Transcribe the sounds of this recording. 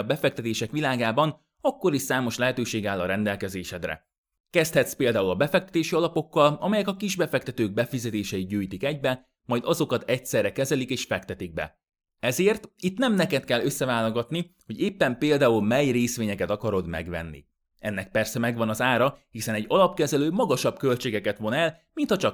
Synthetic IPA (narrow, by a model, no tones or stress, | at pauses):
ɒbɛfɛk̚t̪ɛt̪eːʃɛkʋilaːɡaːbɒn | ɒkːo̞ɾisaːmo̞ʃlɛɦɛt̪øːʃeːɡaːlːɒɾɛnd̪ɛlkɛzeːʃɛd̪rɛ̰ | kɛst̪hɛt̪speːld̪aːulɒbɛfɛk̚t̪ɛ̥t̪eːʃiɒlɒpo̞kːɒlɒmɛjɛkɒkiʒbɛfɛk̚t̪ɛt̪øːɡ̚bɛfizɛt̪eːʃɛjiɟuːjt̪ikɛɟbɛ | mɒjd̪ɒzo̞kɒt̪ɛcsɛrːɛkɛzɛlikeːʃfɛkt̪ɛt̪iɡ̚bɛ̰ | ɛzeːrt̪it̪nɛmnɛkɛt̪kɛlːø̞sːɛvaːloɡɒt̪niho̞ɟeːpːɛmpeːld̪aːulmɛjreːsʋeːɲɛkɛt̪ɒkɒɾo̞d̪mɛ̰ɡʋɛ̰nːḭ | ɛnːɛk̚pɛrsɛmɛɡʋɒnɒzaːɾɒhisɛnɛɟːɒlɒpkɛzɛløːmɒɡɒʃɒbkø̞lt͡ʃeːɡɛkɛt̪ʋo̞nɛl | mint̪hɒt͡ʃɒk